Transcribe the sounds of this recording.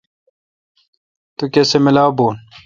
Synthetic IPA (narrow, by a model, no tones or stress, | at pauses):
t̪ukesemɪlaːbuːn